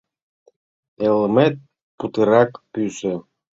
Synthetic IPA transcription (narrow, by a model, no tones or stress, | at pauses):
elˠmet̪̚ | put̪ɨɾɑkpysɘ